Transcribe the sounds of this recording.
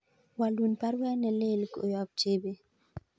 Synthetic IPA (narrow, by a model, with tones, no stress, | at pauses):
wa˨lu˨npa˦ɾwɛ˦nɛ˨le˦lko̰˨jɔ˨b̚t͡ʃe˦be˨